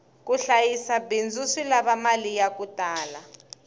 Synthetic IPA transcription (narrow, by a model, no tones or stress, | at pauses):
k̬ʼuɬajisabend͡zʱusilaβamalijak̬utʼaːla